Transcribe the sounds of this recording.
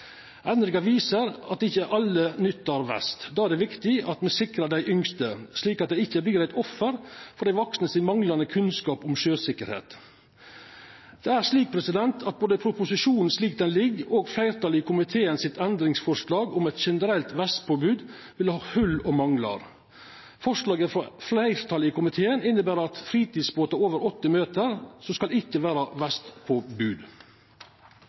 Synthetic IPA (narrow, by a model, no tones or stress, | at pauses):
ʔɛnɾɪɡɑʋiːsəɾɑt̪̚d̪ɪçːəʔɑlːənʏt̪ːɑɾʋæ̰st̪d̪ɑːæɾɖɛʋɪkt̪ɪɑt̪mɛsɪkɾɑɖ̪æɪʔʏŋst̪əsliːkɑt̪d̪ɛɪɪçːəbliːɾæɪt̪ɔfːəɾfɔɾɖ̪æɪʋɔksnəsɪnmɑŋlɑnəkʰʉnskɑːpʊmʃøːsɪkːəɾhḛːt̪ | d̪̥ɛæɾʂliːk̚pʰɾɛsɪd̪ɛnt̪ʰɑt̪̚boːd̪əpʰɾʊpʊsɪʃuːnn̩sliːk̚d̪ɛnlɪɡːoːɡflæɪɾt̪ʰɑlɪkʰʊmɪt̪ʰeːənsɪt̪ɛnd̪ɾɪŋsfɔʂɭɑːɡʊmɛt̪ʃɛnəɾɛlt̪ʋæst̪̚pʰoːbʉːd̪ | ʋɪlhɑːhʉlɔmɑŋlɑ̰ɾ | fɔʂɭɑːɡəfɾɑflæɪɾt̪ʰɑlɪkʰʊmɪt̪ʰeːənɪnːəbæːɾɑt̪fɾiːt̪iːd̪sboːt̪ɑoːʋəɾɔt̪ːəmøːt̪əɾsɔskɑlɪkːəʋæːɾɑʋæst̪pʰoːbʉːd̪